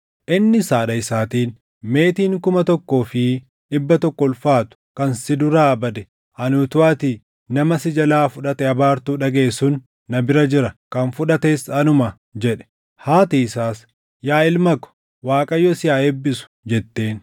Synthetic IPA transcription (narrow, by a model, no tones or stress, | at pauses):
ʔɪnːɪsaːᶑɐɪsaːt̪iːn | me̞ːt̪iːŋkʊmɐt̪ɔkːo̞ːfɪ | ᶑɪbːɐt̪ɔkːɔlfaːt̪ʊ̥kɐnsɪd̪ʊɾaːɐbɐd̪ɛ | ɐnut̪ʊaːt̪i | nɐmɐsɪd͡ʒɐlaːfʊᶑɐt̪ɛɐbaːɾt̪uːᶑɐɡe̞ːsʊnː | ɐbɪɾɐd͡ʒɪɾɐkɐnfʊᶑɐt̪e̞ːsɐnʊmɐ | d͡ʒɛᶑɛ̥ | haːt̪iːɪsaːs | jaːɪlmɐkɔ̥ | waːkʼɐjːɔsɪjaːɛbːɪsʊ̥d͡ʒɛt̪ːe̞ːn